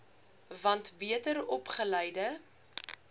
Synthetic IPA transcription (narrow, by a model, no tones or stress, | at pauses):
vɐntbiətəɾɔpχəlɛjdə